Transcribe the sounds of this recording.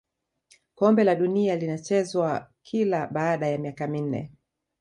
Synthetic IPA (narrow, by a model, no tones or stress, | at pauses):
kɔmbɛlaɗunialinat͡ʃɛzwakʰilaɓaːɗajamiakamin̩nɛ̰